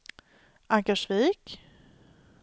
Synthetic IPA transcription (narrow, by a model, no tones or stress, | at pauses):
ʔaŋkaʂviːk